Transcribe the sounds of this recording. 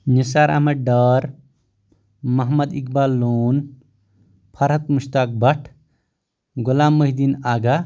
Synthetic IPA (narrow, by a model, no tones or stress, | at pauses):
nisaːɾa̰ːmɐɖɐɾ | mɐɦmɐd̪ikbaːlːuːn | pʰɐɾɦɐt̪muʃt̪aːk̚bɐʈʰ | ɡulaːmːəɦd̪inaːɡa